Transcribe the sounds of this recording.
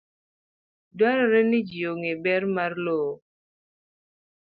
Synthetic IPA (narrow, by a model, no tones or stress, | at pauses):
dwaɾɔɾɛnɪd͡ʒioŋebɛɾmarloː